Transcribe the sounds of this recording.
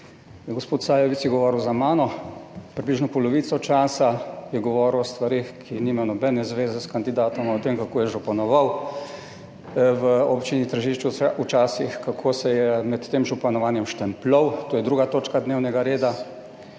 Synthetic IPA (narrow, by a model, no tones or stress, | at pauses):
ɡospoːt̪saːjɛʋit̪sjɛɡɔʋɔːɾuwzamaːnɔpɾibliːʒnɔpɔlɔʋiːt̪sɔt͡ʃaːsajɛɡɔʋɔːɾuwɔst̪ʋaɾeːxkʰiniːmajɔnɔbɛnɛzʋeːzɛskand̪id̪aːt̪ɔmaɔt̪eːmkakoːjɛʒɔpanɔʋaw | ʋəɔpt͡ʃinit̪əɾʒiːʃt͡ʃuut͡ʃaːsixkakʰoːsɛjɛmɛt̪ːeːmʒɔpanɔʋaːnjɛmʃt̪ɛmplɔwt̪oːjɛd̪ɾuːɡat̪oːt͡ʃkad̪neːwnɛɡaɾeːd̪a